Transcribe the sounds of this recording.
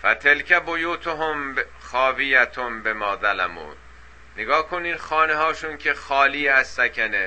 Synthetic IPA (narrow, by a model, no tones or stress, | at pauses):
fæt̪ʰelcʰæbojuːt̪ʰoɦomb | χɒːvijæt̪ʰombemɒːd̪ælæmṵː | neɡɒːhkʰoniːd̪xɒːneɦɒːʃuncʰexɒːliːæsːækʰæne